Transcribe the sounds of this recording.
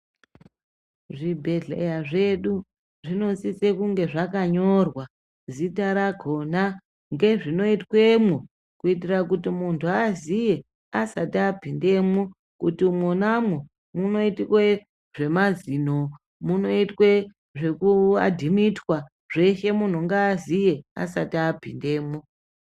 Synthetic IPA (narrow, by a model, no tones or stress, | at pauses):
ʐibʱe̞ɮḛjaʐeɗu | ʐino̞t͡sit͡sekuŋɡe̞ʐakaɲo̞rwa | zitaɾaɡʱo̞na | ŋɡe̞ʐino̞itwe̞mo | kuitirak̬utimuntʰuazije̞ | asatiabʱinde̞mo | kutimwonamwu | muno̞itikwe | ʐ̥e̞mazino | muno̞itwe | ʐe̞kua̰dʱimitwa | ʐe̞ʃe̞mun̤uŋɡaːzije̞a̰satapinde̞ːmo